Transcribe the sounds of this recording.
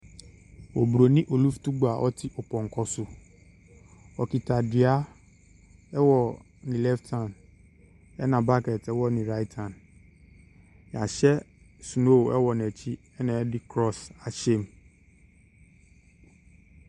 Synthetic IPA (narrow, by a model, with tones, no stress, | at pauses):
wo˨bɾo˨nĩ˦ʔo˨lu˦fu̥˨tu˦ɡ͡ba˨ʔɔ̰˦t̪i˦ʔo˨pɔ̃˨ŋ̩˨kɔ˨su˨ | ɔ˨ki˨ta˨di˨a˦ | ɛ˦wɔ˦ | nĩ˨lɛ˦ftʰa˦˨n | ɛ˦nã˨ba˦kɛ˨tɛ˦wɔ˦nĩ˨ɾa˦i˦tʰa˨n | ja˨ʃɛ˦ | su˨no˦˨ɛ̰˦wɔ˨nɛ˨t͡ɕi˦ | ɛ˦nɛ̃˨ɛ˦di˦kɾɔ˦sa˨ʃe˦m